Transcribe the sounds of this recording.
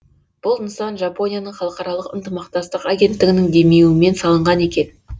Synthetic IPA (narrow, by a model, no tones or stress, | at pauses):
b̥ʊlˠnsɑnʒɑpo̞nʲijanəɴχɑlˠəqɑɾɑlˠəqə̰nt̪əmɑqt̪ɑst̪əqɑɡʲe̞nt̪ːɪɡʲɪnɪŋd̪e̞me̞wɪme̞nsɑlˠəɴʁɑne̞kʲe̞n